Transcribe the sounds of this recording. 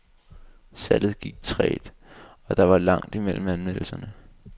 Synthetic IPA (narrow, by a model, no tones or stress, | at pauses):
sælð̩ˠɡ̥iɡ̥̚t͡sʰʁɛ̰ːd̥ | ɒ̽d̥ɑ̈ʋɑ̈lɑ̈ŋ̰d̥imel̰m̩ænmen̰l̩sɐnə